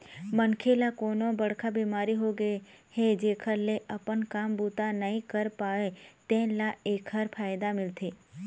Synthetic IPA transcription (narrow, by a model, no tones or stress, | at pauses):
mənkʰelakonõbəɽ̤kʰabiːmaːɾiɦoɡəhed͡ʒeːkʰəɾleʔəpənkaːmbut̪anəɦĩkəɾpaːet̪ẽlaeːkʰəɾpʰaːjd̪amɪlt̪ʰe